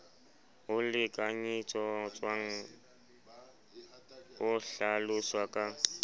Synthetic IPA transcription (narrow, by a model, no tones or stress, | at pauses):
ɦʊlɪkʼaɲit͡sʼɔt͡sʼwaŋ̩ | ʊɬalʊswakʼa